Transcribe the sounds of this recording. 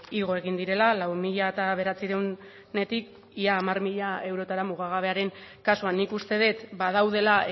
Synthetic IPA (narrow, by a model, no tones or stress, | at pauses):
iɣ̞o̞e̞ɣ̞ind̪iɾe̞lalawmiʎaet̪aβe̞ɾat͡siɾew | ne̞t̪ik | iaːmarmiʎae̞wɾo̞t̪aɾamuɣ̞aɣ̞aβ̞e̞aɾe̞ŋkasuanːikust̪e̞ð̞e̞t̪baðawð̞e̞la